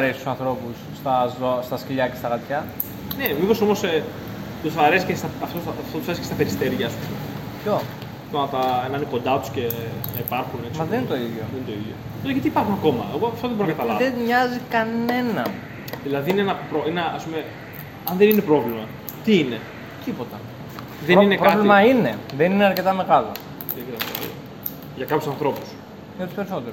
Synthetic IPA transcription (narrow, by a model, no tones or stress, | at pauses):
ɾesist̪usɐnθɾo̞pusːt̪ɐzost̪ɐsciʎɐce̞st̪ɐɣɐt̪çɐ | nemipo̞so̞mose | t̪uθɐɾe̞si̥cest̪ɐɐft̪osɐft̪ot̪usɐɾesi̥kest̪ɐpe̞ɾist̪eɾʝɐːspume | pço̞ | t̪onɐt̪ɐenɐniko̞nd̪ɐt̪u̥sce̞ipɐɾxunemɐðeninet̪o̞iðʝjoðenet̪oiðjo̰ | t̪ot̪ʝɐt̪iːpɐɾxunɐko̞mɐ̰eɣoɐft̪oðeboɾnɐkɐt̪ɐlɐveɲɐzikɐne̞nɐn | ðilɐðiineenɐpɾoenɐɐ̰spume̞ | ɐnðeninepɾo̞vlimɐ | t̪iine̞ | t̪ipo̞t̪ɐ | ðeninepɾoɐvlimɐine̞ðenineɐɾce̞t̪ɐme̞ɣɐlo̞̰ | eɐɾket̪ɐmeɣɐ̰lo̰ | ʝɐkɐpçjusɐnθɾo̞pus | ot̪i̥spe̞ɾiso̞t̪eɾo